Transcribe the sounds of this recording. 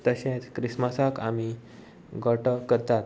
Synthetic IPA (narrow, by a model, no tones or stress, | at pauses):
t̪əɕẽt͡skɾismasakami | ɡʱəʈəkəɾt̪at̪̚